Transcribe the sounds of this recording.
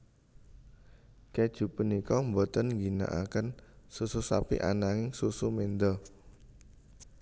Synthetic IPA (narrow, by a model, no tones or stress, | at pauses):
ked̥ʒ̥ṳpənikɔmbɔt̪ənŋɡina̰ʔa̰kənsususa̰pḭʔa̰naŋɪŋsusumend̪ɔ